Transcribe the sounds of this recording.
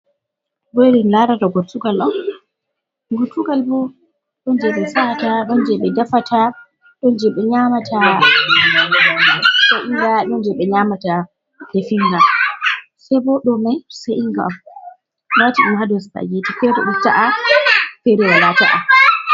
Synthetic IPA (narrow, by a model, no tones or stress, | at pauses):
bɔɾinlaɾataɡotːuɡalɗɔn | ɡotuɡalbɔ | ɗɔnd͡ʒɛɓɛsataɗɔnd͡ʒɛɓɛdafatʰa | ɗɔnd͡ʒɛɓɛɲamatʰa | saʔiŋɡaɗɔnd͡ʒɛɓɛɲamata | kefiŋɡa | sɛbɔɗɔmajseʔiŋɡaam | watiɗumhadɔsta̰jitifɛtɔ̰ɗutaʔa | feɾiwalataʔa